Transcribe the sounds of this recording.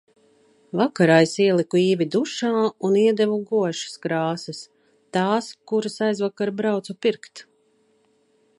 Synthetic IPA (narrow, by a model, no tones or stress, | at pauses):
vakaɾajsiɛlˠikuiːvʲid̪uʃaːuniɛd̪ɛvuɡuɔʃḁskɾaːsɐs | t̪aːskuɾasajzvakaɾbɾawt̪supiɾkt̪